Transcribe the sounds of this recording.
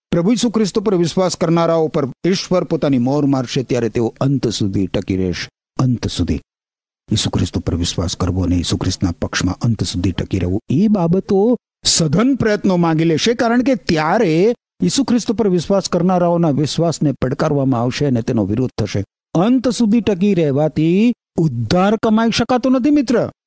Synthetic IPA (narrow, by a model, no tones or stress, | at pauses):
pɾəbʱujisukʰɾɪst̪opəɾʋɪsʋaskəɾnaɾaopəɾɪʃʋəɾpot̪animɔɾmaɾʃet̪jaɾet̪eoənt̪sud̪ʱiʈəkiɾḛʃe̥ | ənt̪sud̪ʱḭ | jisukʰɾɪst̪opəɾʋɪʃʋa̰skəɾʋoənḛjisukʰɾɪst̪napəkʃmã̰ʔənt̪sud̪ʱiʈəkiɾə̰ɦʋũebabət̪o | səd̪ʱənpɾəjət̪nomãŋɡeleʃekaɾəɳ̃ket̪jaɾe | jisukʰɾɪst̪upəɾʋɪsʋaskəɾnaɾaonaʋɪʃʋasnepəɽkaɾʋamãaʋʃeənet̪enoʋɪɾʊd̪̚ʱt̪ʰəʃe | ənt̪sud̪ʱiʈək̬iɾɛɦʋat̪ʰi | ʊd̪ʱːaɾkəmaiʃəkat̪onət̪ʰimɪt̪ɾə